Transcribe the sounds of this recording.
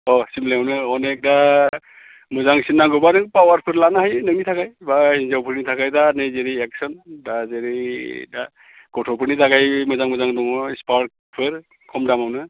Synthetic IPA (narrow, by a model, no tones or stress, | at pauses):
ɔsimleawnɯɔnɛk̚da | mɯzaŋsinːaɡɯbanɯŋpawaɾpʰɯɾlanaɦajnɯŋnitʰakajbahinzawpʰɯɾnitʰakajdanɯjzeɾiek̚sɔndazeɾida | ɡ̥ɔtʰɔwpʰɯɾnitʰakajmɯzaŋmɯzaŋdɔŋɔspaɾk̚ | pʰɯɾ | kʰɔmdamawnɯ